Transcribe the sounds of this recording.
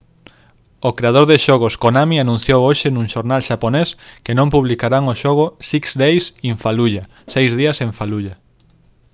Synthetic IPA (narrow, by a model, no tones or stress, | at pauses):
okɾeað̞oɾðeʃoɣ̞ʊskonamianũn̟θjowoʃenũŋʃoɾnalʃaponeskenõmpuβlikaɾaŋoʃoɣ̞ʊsiksd̪ejsiɱfaluʎa | sejzðiɐseɱfaluʎɐ